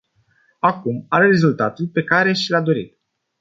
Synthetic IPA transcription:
akumaɾere̞zult̪at̪ulpe̞kaɾe̞ʃilad̪o̞ɾḭt̪

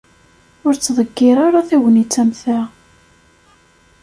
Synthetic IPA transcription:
ʊɾt͡sːðˤəɡːɪɾˤaɾaθiwənit͡sːæmθæ

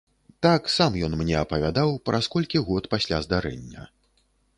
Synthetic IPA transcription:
t̪aksamjɔnmnʲɛɐpɐvʲad̪awpɾʔaskɔlʲkʲiɣɔt̪pasʲlʲazd̪aɾɛ̰nʲːɐ̰

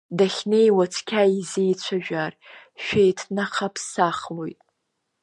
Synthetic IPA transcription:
daχʲnejwat͡sʷʰkʲʰaizejt͡ɕʷʰaʒᶣar | ʃᶣejtʰnaχapʰsaχlojtʼ

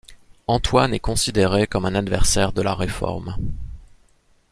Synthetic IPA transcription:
ɑ̃t̪wanɛkɔ̃sid̪eʁekɔmɛ̃nad̪vɛʁsɛʁd̪əlaʁefɔ̰ʁm

